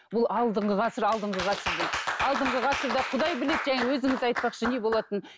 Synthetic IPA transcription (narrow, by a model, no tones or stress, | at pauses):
bʊlˠɑlˠd̪əɴʁəʁɑsəɾɑlˠd̪əɴʁəʁɑsəɾd̪eɑlˠd̪əɴʁəʁɑsəɾd̪ɑqʰʊd̪ɑjbɪle̞d̪ʒæŋewɵzɪŋɪzɑjt̪̚pɑqʃəne̞bolˠɑt̪ən